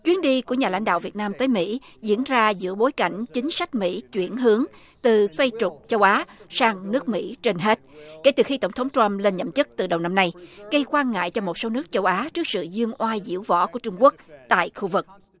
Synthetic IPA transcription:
t͡ɕwi˨˦ənɗi˧ku˧˩əɲaː˨˩la̰˧˥ŋɗa̰ː˧˨wvi˨˩ət̚naː˧mt̪əː˨˦jmḭ˧˥zḭ˧˥ənzaː˧zɨ̰˧˥əɓo˨˦jka̰˧˩jŋ̟t͡ɕï˨˦ŋ̟sa˦˥k̟̚mḭ˧˥t͡ɕwi˧˩ənɦɨ˨˦əŋ | t̪ɨ˨˩swa˧jt͡ɕʊ˨˩k͡p̚t͡ɕə˧wʔaː˨˦saː˧ŋnɨ˦˥ək̚mḭ˧˥t͡ɕe˧nɦe˦˥t̚ke˧˩t̪ɨ˨˩xi˧t̪ə˧˩wŋ͡mt̪ʰə˨˦ŋ͡mt̪ɾa˧mle˧nɲə̰˧˨mt͡ɕɨ˦˥k̚t̪ɨ˨˩ɗə˨˩wna˧mna˧jɣə˧jkwaː˧nŋa̰ː˧˨jt͡ɕɔ˧mo˨˩t̚so˨˦nɨ˦˥ək̚t͡ɕə˧wʔaː˨˦t͡ɕɨ˦˥ək̚sɨ̰˧˨zɨ˧əŋʔwaː˧zḭ˧˥əwvɔ̰˧˥ku˧˩ət͡ɕʊ˧ŋ͡mku˦˥ək̚t̪a̰ː˧˨jxu˧vɨ˨˩k̚

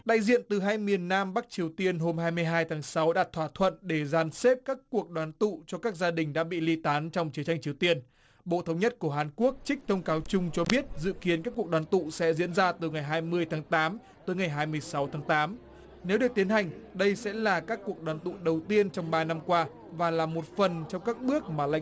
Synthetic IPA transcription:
ɗa̰ː˧˨jzḭ˧˨ənt̪ɨ˨˩ɦaː˧jmi˨˩ənːaː˧mɓa˦˥k̚t͡ɕi˨˩əwt̪i˧ənɦo˧mhaː˧jmɨ˧əjɦaː˧jt̪ʰaː˨˦ŋsa˨˦wɗaː˨˩t̚t̪ʰwaː˧˩t̪ʰwə̰˧˨nɗe˧˩zaː˨˧˩nse˦˥p̚kaː˦˥kːu˨˩ək̚ɗwaː˨˦nt̪ṵ˧˨t͡ɕɔ˧kaː˦˥k̚zaː˧ɗï˨˩ŋ̟ɗa̰ː˧˥ɓḭ˧˨li˧t̪aː˨˦nt͡ɕɔ˧wŋ͡mt͡ɕi˨˦ət͡ɕa˧jŋ̟t͡ɕi˨˩əwt̪i˧ən | ɓo̰˧˨t̪ʰə˨˧˦wŋ͡mɲə˦˥t̚ku˧˩əɦaː˨˩nku˦˥ək̚t͡ɕï˦˥k̟̚t̪ʰə˧wŋ͡mkaː˨˦wt͡ɕʊ˧ŋ͡mt͡ɕɔ˧ɓi˦˥ət̚zɨ̰˧˨ki˨˦ənka˦˥kːu˨˩ək̚ɗwaː˨˦t̪ṵ˧˨sɛ̰˧˥zḭ˧˥ənzaː˧t̪ɨ˨˩ŋa˨˩jɦaː˧jmɨ˧əjt̪ʰaː˨˦ŋt̪aː˨˦m | t̪əː˨˦jŋa˨˩jɦaː˧jmɨ˧əjsa˨˦wt̪ʰaː˨˦ŋt̪aː˨˦m | ne˨˦wɗɨ˨˩ək̚t̪i˨˦ənha˨˩jŋ̟ɗə˧jsɛ̰˧˥laː˨˩kaː˦˥kːu˨˩ək̚ɗwaː˨˦nt̪ṵ˧˨ɗə˨˩wt̪i˧ənt͡ɕɔ˧wŋ͡mɓaː˧na˧mkwaː˧ | vaː˨˩laː˨˩mo˨˩t̚fə˨˩nt͡ɕɔ˧wŋ͡mkaː˦˥k̚ɓɨ˦˥ək̚maː˨˩la̰˧˨

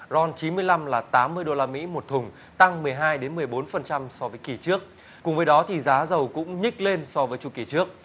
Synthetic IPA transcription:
zɔ˧nt͡ɕi˨˦nmɨ˧əjla˧mlaː˨˩t̪aː˨˦mːɨ˧əjɗo˧laː˧mḭ˧˥mo˨˩t̚t̪ʰʊ˨˩ŋ͡m | t̪a˧ŋmɨ˨˩əjɦaː˧jɗe˨˦nmɨ˨˩əjɓo˨˦nfə˨˩nt͡ɕa˧msɔ˧vəː˨˦jki˧˩t͡ɕɨ˦˥ək̚ | kʊ˨˩ŋ͡mvəː˨˦jɗɔ˨˦t̪ʰi˨˩zaː˨˦zə˨˩wkʊ̰˧˥ŋ͡mɲï˦˥k̟̚le˧nsɔ˧vəː˨˦jt͡ɕu˧˩ki˧˩t͡ɕɨ˦˥ək̚

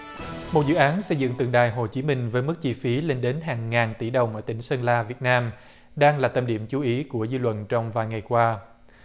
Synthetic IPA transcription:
mo˨˩t̚zɨ̰˧˨ʔaː˨˦nsə˧jzɨ̰˧˨ŋt̪ɨ˨˩ŋɗa̰ː˨˩jɦo˨˩t͡ɕi˨˦mï˧ŋ̟vəː˨˦jmɨ˦˥k̚t͡ɕi˧fi˨˦le˧nɗe˨˦nɦaː˨˩ŋːaː˨˩ŋt̪i˧˩ɗə˨˩wŋ͡mʔəː˧˩t̪ï˧˩ŋ̟sə˧nlaː˧vi˨˩ət̚naː˧m | ɗaː˧ŋlaː˨˩t̪ə˨˩mɗḭ˧˩əmt͡ɕu˨˦ʔi˨˦ku˧˩əzɨː˧lwə̰˧˨nt͡ɕɔ˧wŋ͡mvaː˨˩jŋa˨˩jkwaː˧

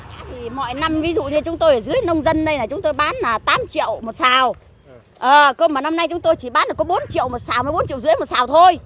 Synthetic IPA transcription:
aː˨˥t̪ʰi˨˩mɔ̰˧˨jna˧mvi˨˦zṵ˧˨ɲɨ˧t͡ɕʊ˨˦ŋ͡mt̪o˧jʔəː˨˩zɨ˨˦əjnə˧wŋ͡mzə˧nɗə˧jna˨˩t͡ɕʊ˨˦ŋ͡mt̪o˧jɓaː˨˦nlaː˨˩t̪aː˨˦mt͡ɕḭ˧˨əwmo˨˩t̚saː˨˩w | ʔəː˨˩kə˧maː˨˩na˧mna˧jt͡ɕʊ˨˦ŋ͡mt̪o˧jt͡ɕi˧˩ɓaː˨˦nɗɨ˨˩kɔ˨˦ɓo˨˦nt͡ɕḭ˧˨əwmo˨˩t̚saː˨˩wmː˧˩jɓo˨˦nt͡ɕḭ˧˨wzɨ̰˧˥əjmo˨˩t̚saː˨˩wt̪ʰo˧j

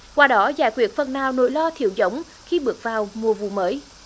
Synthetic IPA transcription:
kwaː˨˧˩ɗɔ˨˦zaː˧˩jkwi˨˩ək̚fə˨˩nːaː˨˩wno̰˧˦jlɔ˧t̪ʰḭ˧˨əwzə˨˦wŋ͡m | xi˧ɓɨ˨˩ək̚vaː˨˩wmu˨˩əvṵ˧˨məː˨˦j

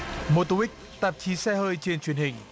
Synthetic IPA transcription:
mo˧˩t̪u˧wi˦˥k̚ | t̪ə˨˩p̚t͡ɕi˨˦sɛ˧həː˧jt͡ɕe˧nt͡ɕwi˨ənhï˨˩ŋ̟

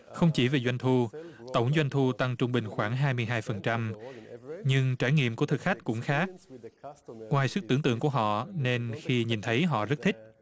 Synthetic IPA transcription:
xə˧wŋ͡mt͡ɕi˧˩ve˨˩zwa˧jŋ̟t̪ʰu˧t̪ə˧˩wŋ͡mzwa˧jŋ̟t̪ʰu˧t̪a˧ŋt͡ɕʊ˧ŋ͡mɓï˨˩ŋ̟xwaː˧˩ŋɦaː˧jmɨ˧əjɦaː˧jfə˨˩nt͡ɕa˧m | ɲɨ˧ŋt͡ɕaː˧˩jŋḭ˧˨əmku˧˩ət̪ʰɨ˨˩k̚xa˦˥k̚kʊ̰˧˥ŋ͡mxaː˦˥k̚ | ŋwaː˨˩jsɨ˦˥k̚t̪ɨ˧˩əŋt̪ɨ̰˧˨əŋku˧˩əɦɔ̰˧˨ne˧nxi˧ɲi˨˩nt̪ʰə˨˦jɦɔ̰˧˨zə˦˥t̚t̪ʰï˦˥k̟̚

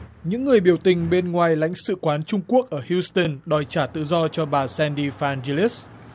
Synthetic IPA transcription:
ɲɨ̰˧˥ŋːɨ˨˩əjɓi˧˩əwt̪ï˨˩ŋ̟ɓe˧nŋwaː˨˩jla̰˧˥jŋ̟sɨ̰˧˨kwaː˨˦nt͡ɕʊ˧ŋ͡mku˦˥ək̚ʔəː˧˩hji˧st̪ə˧˩nɗɔ˨˩jt͡ɕaː˧˩t̪ɨ̰˧˨zɔ˧t͡ɕɔ˧ɓaː˨˩sɛ˧nɗi˧faː˧nze˧li˦˥s

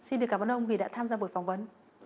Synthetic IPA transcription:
si˧nɗɨ˨˩kaː˧˩ɓa˧˨˩ʔə˧ŋ͡mvi˨˩ɗa̰ː˧˥t̪ʰaː˧mzaː˧ɓo˨˩jfɔ˨˩wŋ͡mvə˨˦n

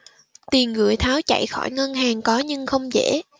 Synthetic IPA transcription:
t̪i˨˩ənɣɨ̰˧˩əjt̪ʰaː˨˦wt͡ɕa̰˧˨jxɔ˧˩jŋə˧nɦaː˨˩ŋkɔ˨˦ɲɨ˧ŋxə˧wŋ͡mzḛ˧˥

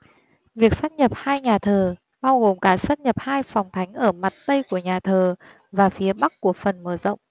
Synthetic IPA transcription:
vi˨˩ək̚saː˦˥t̚ɲə˨˩p̚haː˧jɲaː˨˩t̪ʰəː˨˩ | ɓaː˧wɣo˨˩mkaː˧˩sa˧˥t̚ɲə˨˩p̚haː˧jfɔ˨˩wŋ͡mt̪ʰa˨˦jŋ̟ʔəː˧˩ma˨˩t̚t̪ə˧jku˧˩əɲaː˨˩t̪ʰəː˨˩ | vaː˨˩fi˨˦əɓa˦˥k̚kːu˧˩əfə˨˩nməː˧˩zə̰˧˨wŋ͡m

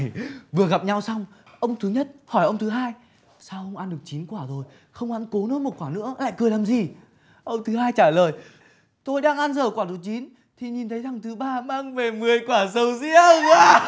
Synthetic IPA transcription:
vɨ˨˩əɣa˨˩p̚ɲa˧wsa˧wŋ͡mʔə˧wŋ͡mt̪ʰɨ˨˦ɲə˦˥t̚hɔ˧˩jʔə˧wŋ͡mt̪ʰɨ˨˦ɦaː˧j | saː˧wʔə˧wŋ͡mʔa˧nɗɨ˨˩ək̚t͡ɕi˨˦nkwaː˧˩zo˨˩j | xə˧wŋ͡mha̰˧˥nko˨˦no˨˦mo˨˩t̚kwaː˧˩nɨ̰˧˥əla̰ː˧˨jkɨ˨˩əlaː˨˩mzi˨˩ | ʔə˧wŋ͡mt̪ʰɨ˨˦ɦaː˧jt͡ɕaː˧˩ləː˨˩j | t̪o˧jɗaː˧ŋʔa˧nzəː˧˩kwaː˧˩t̪u˨˩t͡ɕi˨˦n | t̪ʰi˨˩ɲi˨˩nt̪ʰə˨˦jt̪ʰa˨˩ŋt̪ʰɨ˨˦ɓaː˧ɓaː˧ŋve˨˩mɨ˨˩əjkwaː˧˩sə˨˦wzḭ˧˥əkwaː˧˦

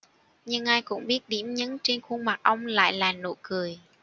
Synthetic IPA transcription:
ɲɨ˧ŋʔaː˧jkʊ̰˧˥wŋ͡mɓi˦˥ət̚ɗi˧˩əmɲɨ̰˧˥ŋt͡ɕe˧nxu˧ŋma˨˩k̚ʔə˧wŋ͡mla̰ː˧˨jlaː˨˩no̰˧˨kɨ˨˩əj

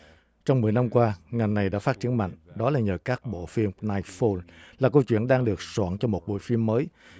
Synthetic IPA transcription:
t͡ɕɔ˧wŋ͡mmɨ˨˩əjna˧mkwaː˧ŋa˨˩jŋna˨˩jɗa̰ː˧˥faː˦˥t̚t͡ɕi˨˦ənma̰˧˨ŋ̟ɗɔ˨˦laː˨˩ɲəː˨˩kaː˦˥k̚ɓo̰˧˨fi˧əmnaː˧jfo˧nlaː˨˩kə˧wt͡ɕwḭ˧˨ənɗaː˧ŋɗɨ˨˩ək̚swa̰ː˧˨nt͡ɕɔ˧mo˨˩t̚ɓo̰˧˨jfi˧əmːəː˨˦j

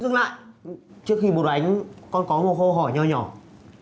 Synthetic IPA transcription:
zt̚la̰ː˧˨jt͡ɕɨ˦˥ək̚xi˧ɓo˨˩t̚ʔa˨˦jŋ̟kɔ˧nkɔ˨˦mo˨˩t̚xo˧˩ɦɔ˧˩jɲɔ˨˩ɲɔ˧˩

